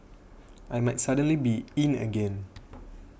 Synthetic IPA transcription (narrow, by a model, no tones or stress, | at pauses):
ʔajmajtsadə̃nlibiĩnə̰ɡɛ̃n